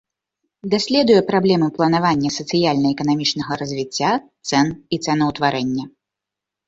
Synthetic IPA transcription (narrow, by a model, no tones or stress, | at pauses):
d̪asʲlʲɛd̪ujɛpɾablʲɛmɨplˠɐnavanʲːɐsɐt̪sɨjalʲnɐɛkɐnamʲit͡ʂnɐɣɐɾɐzʲvʲit͡sʲːat̪sɛnit̪sɛnɐwt̪vaɾɛnʲːɐ